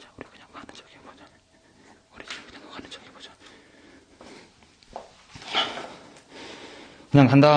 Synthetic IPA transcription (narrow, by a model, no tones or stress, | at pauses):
ḁuɾikɯ̥ɲaŋɡkanɯnt͡ɕʌɡiboa | uɾikɯ̥ɲaŋɡkanɯnt͡ɕʌɡipod͡ʑḁ | kɯɲaŋkʰanda